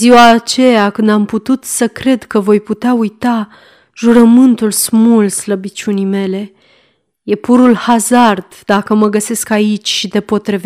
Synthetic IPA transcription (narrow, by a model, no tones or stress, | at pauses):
ziwaːt͡ʃe̞jakɨnd̪amput̪ut̪səkɾe̞d̪kəvo̞jput̪eaujt̪a | ʒuɾəmɨnt̪ulsmulsləbit͡ʃʲunime̞le̞ | je̞puɾulhazard̪̥d̪akəməɡəse̞skait͡ʃʲʃid̪e̞po̞t̪ɾeve